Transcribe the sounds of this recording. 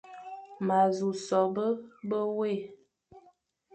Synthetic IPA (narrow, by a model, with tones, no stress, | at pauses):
ma˨zu˨sɔ˨bə˦bə˦we˦˨